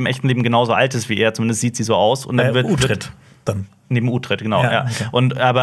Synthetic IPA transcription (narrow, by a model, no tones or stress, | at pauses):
ɪmʔɛçtn̩leːbm̩ɡənaʊzoːʔaltɪstv̥iːʔeːɐt͡sʊmɪndəstz̥iːtz̥iːzoːaʊsʊ̰ntd̥anvɪɐuɪʁt | d̥an | neːbm̩ʔuːtʁ̥ɪt̚ɡ̥ənaʊja̰ːʔʊntʔaːbɐ